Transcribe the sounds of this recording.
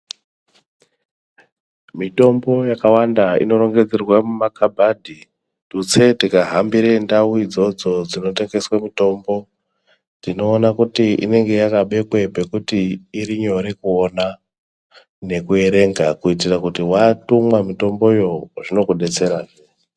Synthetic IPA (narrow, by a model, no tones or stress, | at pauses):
mito̞mbo̞jakawandaḭno̞ɾo̞ŋɡe̞d͡zerwamumakabʱadʱi | tut͡se̞tikaɦambiɾendauid͡zo̞d͡zo̞d͡zino̞te̞ŋɡe̞swamito̞ːmbo̞ | d͡zino̞ːnakutiḭne̞ŋɡe̞jakaɓe̞kwe̞pe̞kutiːɾiɲo̞ɾekuona | ne̞kue̞ɾe̞ŋɡakuitirakutiwatumwamito̞mbo̞jo̞ʐino̞kuɗe̞t͡se̞ɾaːʐe